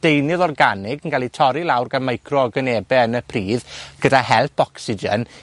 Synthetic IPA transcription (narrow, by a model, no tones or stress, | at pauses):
d̥ejnɨðɔrɡanɪɡənɡalˠitʰɔɾilˠawrɡanmajkʰrɔɔɡəneːbɛənəpʰriːðɡ̥ədahɛlˠpʰɔksɪd͡ʒə̰n